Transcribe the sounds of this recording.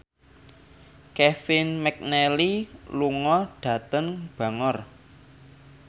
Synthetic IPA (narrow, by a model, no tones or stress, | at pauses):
kɛfɪnmɛk̚nɛliluŋɔɖ̥ä̤t̪əŋb̥ä̤ŋɔr